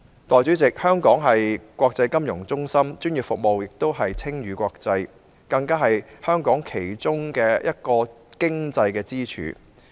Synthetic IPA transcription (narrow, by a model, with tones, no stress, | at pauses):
t̪ɔː˨jt͡syː˨˥t͡sɪ˨k̚hœː˥ŋkɔː˨˥ŋɦɐ˨jkʷwɔː˧k̚t͡sɐ˧jkɐ˥mjʊ˨˩ŋt͡sʊ˥ŋsɐ˥mt͡ʃyː˥njy˨p̚fʊ˨k̚mo˨wjɪ˨k̚t̪o˥wɦɐ˨jt͡sʰɪ˥ŋjyː˨˧kʷɔː˧k̚t͡sɐ˧j | kɐ˧ŋkaː˥ɦɐ˨jhœː˥ŋkɔː˨˥ŋkʰe˨˩jt͡sʊ˥ŋkɛː˧jʔɐ̰˥t̚kɔː˧kɪ˥ŋt͡sɐ˧jkɛː˧t͡siː˥t͡ʃʰy̰ː˨˥